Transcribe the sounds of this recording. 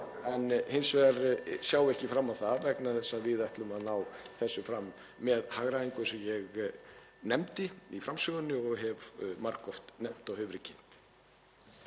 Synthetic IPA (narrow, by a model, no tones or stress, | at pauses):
ɛnːhɪnsvɛaɾsjaːwɛhcɪfɾamːaθavɛknaθɛsːaðvɪðɛht̪lʏmaðnawθɛsːʏfɾamː | ɛðhaɣɾaðiŋkʏsɛmjɛɣ | nɛmt̪ɪifɾamsʏɣʏnːʏɔɣɦɛvmaɾkɔft̪nɛm̥t̪ɔɣhʏvɾɪcʰɪn̥t̪